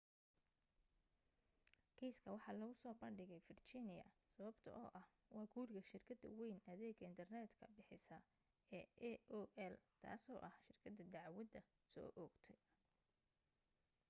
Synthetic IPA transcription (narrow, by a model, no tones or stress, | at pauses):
kʰɛːskʰɐwɑħɑːlɐɣʊsɔːbɐnɖɪɣɛjfɪrt͡ʃɪnɪjɐ̰sɐβɐbt̪ʰɐ̰ʔɔːʔɐh | wɑːɡuːrɡɐʃɪrkʰɐd̪ɐ̰wɛjnɐðɛːɡɐɪnt̪ʰɐrnɛːd̪kʰɐ̰bɪħɪsɐ | ɛːʔɛɔʔɛlt̪ʰa̰ːsɔ̰ːʔɐhʃɪrkʰɐd̪ɐd̪ɑʕwɐd̪ɐ | sɔ̰ːʔɔːɡt̪ʰɛj